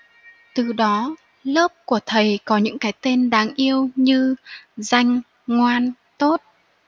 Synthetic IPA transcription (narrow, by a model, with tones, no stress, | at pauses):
t̪ɨ˨˩ɗɔ˨˦ | ləː˦˥p̚ku˧˩ət̪ʰə˨˩jkɔ˨˦ɲɨ̰˧˥ŋkaː˨˦jt̪e˧nɗaː˨˦ŋʔi˧əwɲɨ˧za˧jŋ̟ | ŋwaː˧n | t̪o˦˥t̚